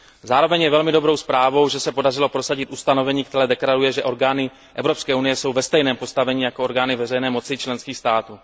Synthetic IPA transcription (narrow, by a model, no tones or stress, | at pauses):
zaːɾo̞vɛɲjɛvɛlmɪdobɾo̞wspɾaːvo̞wʒɛsɛpo̞darɪlo̞pɾosaɟɪt̪ʔust̪ano̞vɛɲiːkt̪ɛɾɛːdɛkɾadujɛʒɛʔo̞ɾɡaːnɪ | ʔɛvɾo̞pskɛːunɪjɛso̞wvɛst̪ɛjnɛːmpo̞st̪avɛɲiːjakooɾɡaːnɪvɛrɛjnɛːmo̞t͡sɪt͡ʃlɛnskiːxst̪aːt̪uː